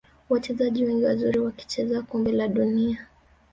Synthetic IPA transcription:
wat͡ʃɛzaʄiwɛŋɡiwazuɾiwaki̥t͡ʃɛzakumbɛlaɗunia

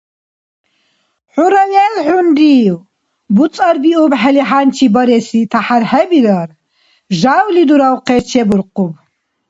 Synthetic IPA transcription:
ħuɾawɛlħund̪iːw | but͡sʼaɾbiubħɛliħant͡ʃʰibɔɾɛsit̪ʰaħaɾhɛbiɾaɾ | ʒawlid̪uɾawqʰɛt͡ʃʰɛbuɾqʼub

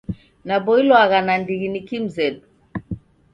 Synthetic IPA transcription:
nabɔilɔaɣanandiɣinikim̩zɛdu

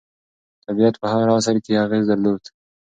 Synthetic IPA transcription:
t̪abijat̪pəhaɣɾɑːsaɾkeaɣeːzd̪aɾloːd̪̥

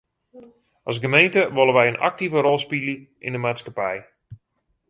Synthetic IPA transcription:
ʔɑs̬ɡəmejntəʋolˠəʋɛjənʔa̰k̚tivəɾɔlˠspiləʔɪndəmaːtskapɛj

